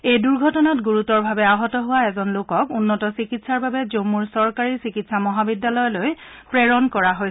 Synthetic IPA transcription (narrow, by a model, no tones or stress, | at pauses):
ejduɹɡʱɔtɔnatɡuɹutɔɹbʱabɛaɦɔtɔɦʊwaɛzɔnlokɔkunːɔtɔsikitsaɹbabɛzomuɹsɔɹkaɹiɹsikitsamɔɦabidːalɔjɔlojpɹeɹɔnkɔɹaɦoj